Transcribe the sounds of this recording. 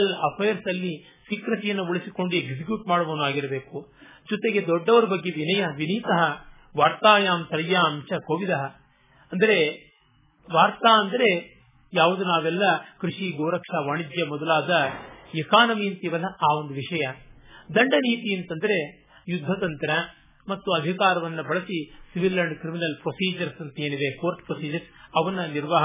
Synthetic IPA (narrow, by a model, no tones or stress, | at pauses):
ɐlɐpʰeːɐɾsɐlːi | sikɾɐsijɐnːɐuɭisiko̞ɳɖueɡsik̬juːʈmaːɽɐʋɐːnuaːɡiɾɐbe̞ːku | d͡ʒɔt̪e̞ɡe̞d̪ɔɖːɐʋɐɾubɐɡːeʋinɐjɐʋiniːt̪ɐɦɐ | ʋaːɾt̪aːjaːmsɐɾjaːmt͡ʃɐkoːʋid̪ɐɦɐ | ɐnd̪ɐɾe̞ | ʋaːɾt̪aːɐnd̪ɐɾe̞ | jaːʋud̪unaːʋɛlːɐkɾiʂiɡoːɾɐkʂaːʋaːɳid͡ʒ̪jɐmɔd̪ɐlaːd̪ɐekaːnɐmint̪iʋɐlɐaːʋond̪uʋiʂɐjɐd̪ɐɳɖɐniːt̪ient̪ɐnd̪ɐɾe̞ | jud̪ʱːɐt̪ɐnt̪ɐɾɐ | mɐt̪ːuɐd̪ʱikaːɾɐʋɐnːɐbɐɭɐsisiʋilːɐɳɖkɾiminɐlpɾosiːd͡ʒɐɾsɐnt̪eːniʋekoːɾʈpɾosiːd͡ʒɐɾsɐʋɐnːɐniɾʋaːɦɐ